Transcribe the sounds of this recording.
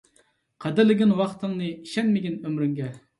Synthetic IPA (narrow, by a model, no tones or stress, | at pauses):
qʰɑd̪ɨɾlɪɡʲinwɑχt̪ʰɨŋnɨiʃɛnmɪɡʲinømɾyŋɡʲɛ